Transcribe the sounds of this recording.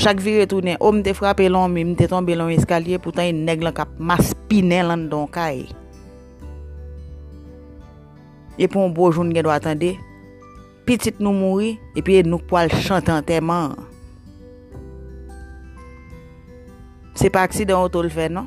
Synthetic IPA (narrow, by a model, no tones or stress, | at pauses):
ʃakviɣet̪unɛ̃ʔom̩t̪efɹapelɔ̃mĩm̩t̪et̪ɔ̃belãɔ̃eskaljeput̪ãenɛɡlãkap̚maspinɛ̃lãn̩d̪ɔ̃kaj | epiɔ̃boʒunuɡɛ̃dwat̪ɑ̃de | pit͡sit̪̚nũmuɣiepɥienũk̚pwalʃãt̪ẽt̪ɛmã | sepaaksid̪ãot̪olfɛnɔ̃